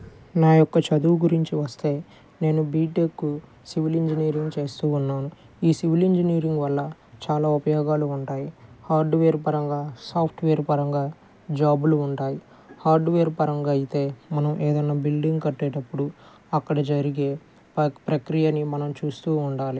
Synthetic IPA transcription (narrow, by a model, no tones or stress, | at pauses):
naːjɔkːɐt͡ʃɐd̪uɡuɾiɲt͡ʃiʋɐst̪e̞ː | ne̞ːnubiːʈekːu | siʋiliɲd͡ʒiniːɾiŋɡt͡ʃe̞ːst̪uːnːaːnu | iːsiʋiliɲd͡ʒiniːɾiŋɡʋɐlːɐ | t͡ʃaːlaːupɐjɔːɡaːluːɳʈaːjihaːɾɖʋeːɾpɐɾɐŋɡaːsaːpʰʈʋeːɾpɐɾɐŋɡaː | d͡ʒaːbuluːɳʈaːji | haːɾɖʋeːɾpɐɾɐŋɡaɐjit̪e̞ːmɐnɐmʔeːd̪ɐnːaːbilɖiŋɡkɐʈːɛːʈɐpːuɽu | ɐkːɐɽɐd͡ʒɐɾiɡe̞ː | pɾɐkɾijɐnimɐnɐmt͡ʃuːst̪uːuɳɖaːli